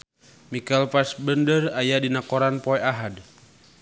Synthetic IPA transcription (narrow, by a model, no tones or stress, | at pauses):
mikalpasbəndərajadinakɔɾanpɔɛaɦad